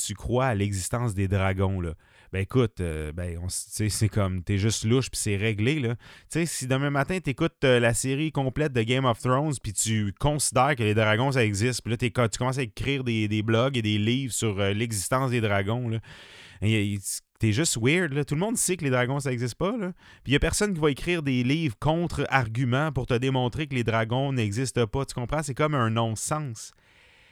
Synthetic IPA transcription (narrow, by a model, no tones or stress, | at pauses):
t̪ykχwaːlɛɡzist̪ɑ̃sd̪ed̪ʁaɡɔ̃lʌ | bɛekʊt̪øbɛɔ̃st͡sesekʰɔmt̪ɛʒʏst̪lʊʃpi̥sɛʁeɡlelʌt͡sesid̪ɑ̃ləmat̪ɛ̃t̪ekʊt̪əlaseʁikɔ̃plɛt̪̚d̪əɡʲɛ̃mɔft̪ʁɔ̃nzpit̪ykɔ̃sid̪ɛːʁkʲəled̪ʁaɡɔ̃s̬aɛɡzɪst̪pilʌt̪ɛkt̪y̥kɔmɑ̃saekʲʁiːʁd̪ed̪eblɔɡed̪eliːvsyʁəlɛɡzist̪ɑ̃sd̪ed̪ʁaɡɔ̃lɔɛt̪eʒʏst̪wɪʁd̪lɔt̪ulmɔ̃d̪sekəled̪ʁaɡɔ̃s̬aɛɡzɪst̪̚pʌlɔ | pijɐpɛʁsɔnkʲivʌekʁiːʁd̪eliːvʁkɔ̃t̪χaʁɡʲymãpʊʁt̪əd̪emɔ̃ːt̪ʁekled̪ʁaɡɔ̃nɛɡzɪst̪əpɔt̪y̥kɔ̃pχɑ̃sekɔmə̃nɔ̃sɑ̃s